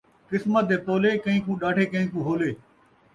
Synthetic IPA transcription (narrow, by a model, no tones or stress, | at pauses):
kɪsmət̪̚d̪eːp̪oːleːkəĩːkũːɗaːʈʰeːkəɦĩːkũːɦoːleː